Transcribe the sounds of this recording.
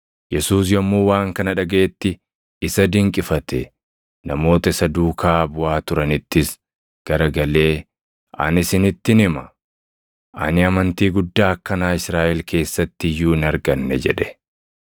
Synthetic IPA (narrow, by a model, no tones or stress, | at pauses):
jɛsuːs̬jɔmːuːwaːŋkɐnɐᶑɐɡeːt̪ːɪ | ɪsɐd̪ɪŋkʼɪfɐt̪ɛ | nɐmo̞ːt̪ɐɪsɐd̪uːkʰaːbʊaːt̪ʊɾɐnɪt̪ːɪs | ɡ̥ɐɾɐɡɐle̞ː | ʔɐ̰nɪsɪnɪt̪ːɪnɪmɐ | ʔɐ̰nɪɐmɐnt̪iːɡʊd̪ːaːɐkːɐnaːɪsɾaːʔɛlkʰe̞ːsːɐt̪ːɪjuːɪnɐɾɡɐnːɛd͡ʒɛᶑɛ̥